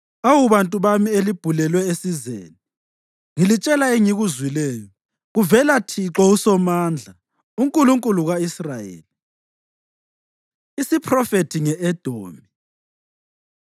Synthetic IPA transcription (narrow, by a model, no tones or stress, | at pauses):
awuβantʼuβamielib̥ʱulɛlwɛesizḛːni | ŋilit͡ʃʼɛlaeŋiɣuzwilɛːjɔ | ɣuvɛlatʰiǁɔusɔmaːnd͡ɮʱa | uŋkʼuluŋkʼuluɣaisrajḛːli | isipʰrɔfetʰiŋɛʔɛd̥ʱoːmi